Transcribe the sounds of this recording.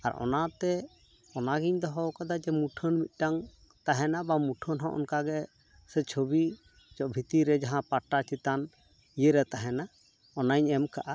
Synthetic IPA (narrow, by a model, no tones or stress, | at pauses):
a̰ɾʔɔ̰nat̪ɛ | ɔnaɡiɲd̪ɔɦɔwkad̪ad͡ʒɛmuʈʰənmit̪̚ˀʈaŋ | t̪aɦɛnabamuʈʰənɦɔ̃ʔɔ̰nkaɡɛ | sɛt͡ʃʰobi | d͡ʒɔʔbʱit̪iɾɛd͡ʒaɦãpaʈat͡ʃit̪an | ijeɾɛt̪aɦɛna | ɔnaɲɛmkaʔa